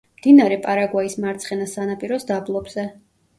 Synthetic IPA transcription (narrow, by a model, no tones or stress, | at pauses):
md̪̥inaɾɛpʼaɾaɡwaismaɾt̪sʰχɛnasanapʼiɾɔsd̪ablˠɔbz̥ɛ